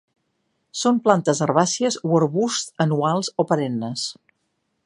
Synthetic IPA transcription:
somplant̪əzərβasiəzuəɾβust̪ənualˠzopəɾenːəs

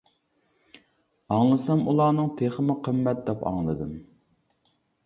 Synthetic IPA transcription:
ɑŋlˠɨsɛmulˠɑːnɨŋt̪ʰeχəmʊqʰəmːɛt̪̚d̪ɛpɑ̰ŋlˠɨd̪ɨm

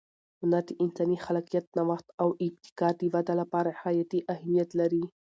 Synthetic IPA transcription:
ʊnad̪əʔɪnsɑnixalɑqijat̪̚nawaxt̪awɪb̚t̪ɪ̥kɑɾd̪əwad̪alapɑɾahajat̪iʔahmijat̪laɾi

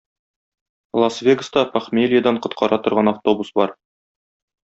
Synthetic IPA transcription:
lˠɐsvʲeɡə̆st̪ɑpaχmʲelʲɪjad̪ɑɴqŏt̪̚qʰɑɾɑt̪ŏɾʁɑnaft̪o̞busbɒɾ

